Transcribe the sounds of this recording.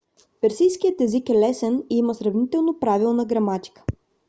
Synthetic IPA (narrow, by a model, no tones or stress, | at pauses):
pɛɾsijskijət̪ɛzikɛlɛsɛniməsɾɐvnit̪ɛlˠnopɾavilˠnəɡɾɐmat̪ʲi̥kə̥